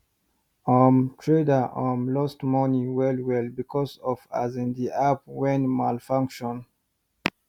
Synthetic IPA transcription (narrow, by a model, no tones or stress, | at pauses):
ɔmtʰɹedaʔɔ̃mlɔstmɔniwɛlwɛlbikʰɔsɔva̰zĩndiʔap̚wɛ̃nmalfãŋkʃɔ̃n